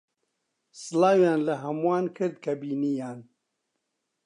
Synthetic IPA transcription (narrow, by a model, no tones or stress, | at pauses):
sɨlaːwjaːnlɐɦɐmuwaːnkʰɨɾd̪̚kʰɐbiːnijaːn